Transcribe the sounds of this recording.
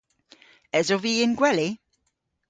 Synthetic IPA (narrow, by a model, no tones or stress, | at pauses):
ɛzɔviɪnɡwɛlɪ